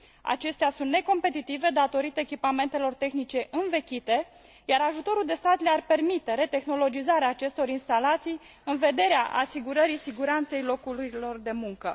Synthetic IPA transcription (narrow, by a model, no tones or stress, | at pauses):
a̰t͡ʃe̞st̪easunt̪neko̞mpe̞t̪it̪ive̞d̪at̪o̞ɾit̪əekʲipame̞nt̪e̞lo̞rt̪e̞xnit͡ʃe̞ʔɨnve̞kʲit̪e̞ | jaɾaʒut̪o̞ɾuld̪e̞st̪at̪learpe̞rmit̪e̞ɾe̞t̪e̞xno̞lo̞d͡ʒizaɾeaːt͡ʃe̞st̪o̞ɾinst̪alat̪sij | ɨnve̞d̪e̞ɾeaʔa̰siɡuɾəɾisiɡuɾant̪se̞jlo̞kuɾilo̞rd̪e̞muŋkə